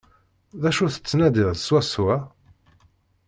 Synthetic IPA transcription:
ðæʃuθə̥t͡sːnæd̪ɪʁðswæsuæ

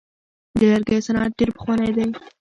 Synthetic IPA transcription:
d̪əlaɾɡajsanɑt̪̚ɖeɾpə̥xwanajd̪aj

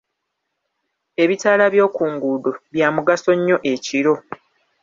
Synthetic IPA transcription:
e̞βitaːlaβjo̞ːkuːŋɡudoβjaːmuɡaso̞ɲːo̞ʔe̞ciɾo̞

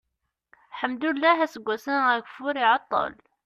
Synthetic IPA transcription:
ħəmd̪ulːæɦæsəɡʷːæsənæɡfʊɾiʕɑt̪ˤːɑ̰l

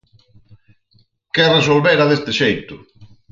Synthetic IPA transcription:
kɛres̬olβeɾaðest̪ɪʃejt̪ʊ

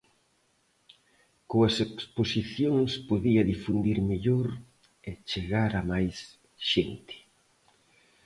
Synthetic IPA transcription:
koɐseksposiθjoŋspoðiɐðifund̪iɾmeʎoɾ | et͡ʃeɣaɾamajs | ʃent̪ɪ̥

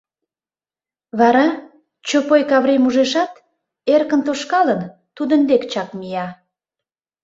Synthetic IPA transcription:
βɑɾɑ | t͡ɕopojkɑβɾemuʒeʃɑt̪ | erkənt̪oʃkɑlən | t̪ud̪ənd̪ekt͡ɕɑkmijɑ

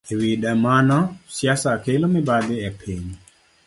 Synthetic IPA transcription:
ewidamanɔsjasakelomɪbad̪ɪɛpʰiɲ

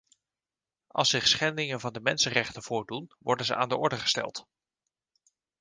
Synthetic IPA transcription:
ʔɑ̰lˠsɪχsχɛndɪŋənvɑndəmɛnsənrɛχtənv̥ʊːɹdunʋɔɹdənzəʔaːndəɔɹdəχə̥stɛ̰lˠt

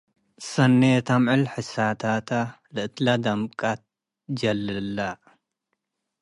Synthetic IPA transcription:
sɐnːet̪ʰamʕɨlħɨsat̪ʰat̪ʰa | lɨʔt̪lad̪ɐmkʼat̪̚ | d͡ʒɐlːɨlːa

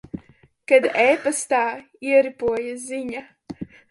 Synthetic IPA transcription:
kad̪ɛːpast̪aː | iɛɾipuɔjaziɲa

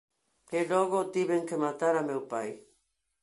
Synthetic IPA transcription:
heloɣot̪iβeŋkemat̪aɾameupaj

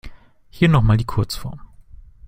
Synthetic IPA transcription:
hiːɐnɔχmaːldiːkʰʊɐt͡sfɔ̰ɐm

